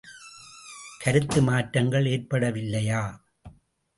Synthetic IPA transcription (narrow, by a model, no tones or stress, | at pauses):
kʰɐɾɯt̪ːɯmaːʈɾɐŋɡɐɭeːɾpɐɽɐʋɪlːɐjaː